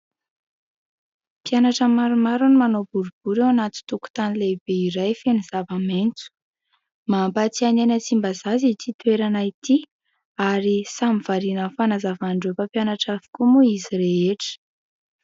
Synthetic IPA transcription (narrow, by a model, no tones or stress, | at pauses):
pjanaʈ͡ʂəmaɾumaɾunimanobuɾub̥uɾewanat̪i̥t̪uku̥t̪anileb̥eiɾajfeniz̥avament͡su̥ | mampat͡sianenət͡simbazazit̪it̪ueɾanait̪i | aɾisamiv̥aɾinəfanazavaɳɖ͡ʐefəpjanaʈ͡ʂavi̥kumuizireeʈ͡ʂə̥